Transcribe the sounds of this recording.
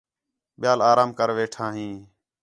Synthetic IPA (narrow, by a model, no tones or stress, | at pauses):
ɓɪjaːlaːɾaːmkəɾʋeːʈʰãːɦĩː